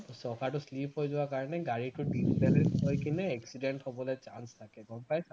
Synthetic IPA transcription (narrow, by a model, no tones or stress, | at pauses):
sɔkʰatʊslipɦojzʊwakaɹɔnɛɡaɹitʊdiklɛlɛɔjkinɛɛksidɛnʈhɔbɔlɛt͡ʃa̰nstʰakɛɡɔnpajsa